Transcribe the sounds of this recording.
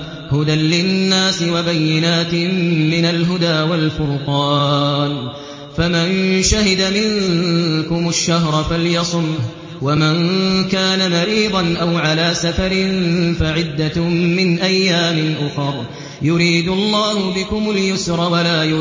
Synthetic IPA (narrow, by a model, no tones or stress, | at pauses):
hʊd̪anlɪnːaːsɪwabajːɪnaːt̪ɪmːɪnalɦʊd̪aːwalfʊɾqɑːn | famanʃahɪd̪amɪŋkʊmʊʃːaɦɾˤfaljɑsˤʊnh | wamankaːnamaɾiːd̪ˤɑnʔawʕalaːsafaɾɪnfaʕɪd̪ːamɪnʔajːaːmɪnʔʊxɑɾˤ | jʊɾiːd̪ʊlˤːɑːhʊbɪkʊmʊljʊsɾˤɑwalaːj